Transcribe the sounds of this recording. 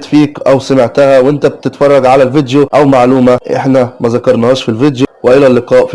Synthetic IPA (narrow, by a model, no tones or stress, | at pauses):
t̪fiːkʔæwsamɪʕt̪æhæwʔɪnt̪æb̚t̪ɪt̪fɑrˤːɑɡʕalælvɪd̪joʔæwmaʕluːmaʔɪ̰ħnæmæzækɑɾˤnɑhɑːʃfilvɪd̪jʊwɪʔɪlælːɪqɑːʔf